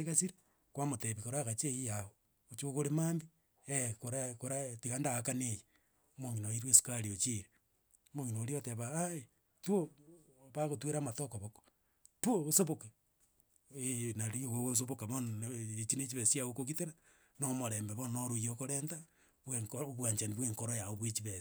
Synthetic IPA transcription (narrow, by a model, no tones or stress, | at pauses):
eɣasiɾi | kwamoteβikoɾaɣat͡ʃeijao | ot͡ʃokoɾemaːmbi | ekoɾakoɾatiɣandaɣakaneje | moŋinoiɾwesu̥kaɾiot͡ʃiɾe | moŋinoːɾioteβaae | twoβaɣotweɾamatokoβoko̥ | twoosoβoke | enaɾioɣoɣos̬oβokaβonet͡ʃinet͡ʃiβesiaokoɣiteɾa | nomoɾembeβonoɾujokoɾenta | βweŋkβwaɲt͡ʃaniβweːŋkoɾojaoβwet͡ʃiβes